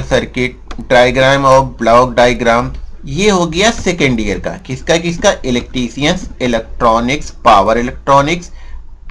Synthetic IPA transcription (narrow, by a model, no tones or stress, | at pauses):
lsɐɾkɪʈ̚ɖaːjɡɾaːmɔːɾblɔːkɖaːjɡɾaːmjeɦoːɡɐjasekə̃ɳɖijəɾka̰kɪskakɪskaʔɪlek̚ʈɾiːsijənsɪlek̚ʈɾɔːnɪkspaːʋəɾɪlek̚ʈɾɔːnɪks